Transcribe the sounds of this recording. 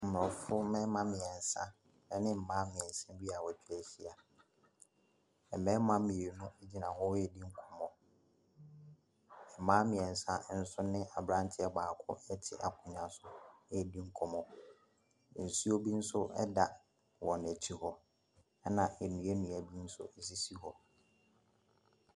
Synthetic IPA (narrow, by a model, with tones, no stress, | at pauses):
m̩˨mʊ˨ɔ̃˨fʊ˦mɛ̃˦mã˦mɪ̃˨ɛ˨n̩˨sã̰˦ | nã˦nɪ̃˦m̩˨mã˦mɪ̃˨ɛ̃˨n˨sɛ̃˦mbi˦a˨wɔ˨t͡ɕᶣʰi˦ɾæ˨ɕi˦a˨ | ɛ˨mɛ̃˦mã˦mĩ˨e˨nʊ̃˦æ˦d͡ʑi˦nã˨hɔ˦wɛ˨dĩ˦ŋ̩˦kʰɔ˨mɔ̃˨ | ɛ˨˦mãː˦mɪ̃˨ɛ̃˨n˨sã˦n̩˦sʊ˦nɪ̃˦ʔa˨bɾã˦n˦tʰɪ˦ɛ˨baː˨kʰʊ̰˦ɛ˦tʰɪ˦˨ʔa˨kʷʰʊ̃˨ɲ˨ã˨sʊ˦˨dĩ˦ŋ̩˦kʰɔ˨mɔ̃˨ | n̩˨su˦o˦bi˦n̩˦sʊ˦ʔɛ̰˦da˨ | wɔ̃˨næ˨tʰi˨hɔ˦ | ɛ˦nã˨ɛ˨nũ˨ɛ˦nũ˨æ˨bi˦n̩˦sʊ̰˦e˦s̬i˦si˦hɔ˦